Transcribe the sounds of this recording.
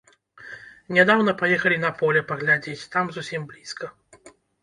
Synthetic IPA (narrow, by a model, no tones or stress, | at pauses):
nʲɛd̪awnɐpajɛxɐlʲin̪ɐpɔlʲɛpɐɣlʲad͡zʲet͡sʲt̪amzusʲimblʲiskʰɐ